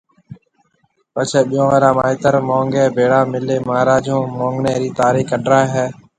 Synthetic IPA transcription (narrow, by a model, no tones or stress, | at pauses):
pət͡ʃʰeːɓɪjõːʋəɾãːmaːiːt̪əɾmoːŋɡeːbʱeːɽaːmɪleːmaːɾaːd͡ʒõːmõːŋɡneːɾiːt̪aːɾiːkəɖɾaːeɦɛː